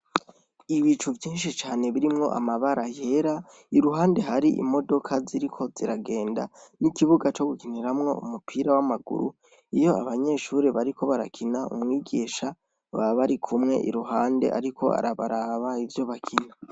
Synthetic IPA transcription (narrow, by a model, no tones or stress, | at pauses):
iβit͡ʃuvjiːnʃ̬it͡ʃaːne̞βiɾimŋo̞̰ʔa̰maβaɾajeɾa | iɾuɦaːnde̞ɦaɾiʔḭmo̞do̞kʰaziɾikʰo̞ziɾaɡe̞ːnda̰nikiβuɡat͡ʃo̞ɡukiniɾamŋo̞ṵmupʰiːɾawamaɡṵɾṵ | ijo̞aβaɲe̞ːʃuɾeβaɾikʰo̞βaɾa̰kʰinaṵmŋiːɡiːʃa | βaβaɾikʰumŋe̞̰ʔḭɾuɦaːnde̞̰ʔa̰ɾikʰo̞̰a̰ɾaβaɾaβaivjo̞βakʰina